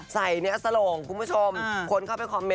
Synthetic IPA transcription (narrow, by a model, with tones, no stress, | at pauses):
sa˨˩jni˦˥ɐsa˧loː˨˩ŋkʰu˧npʰu˦˥t͡ɕʰo˧mkʰo˧nkʰa˥˩wpe˧nkʰaː˧me˦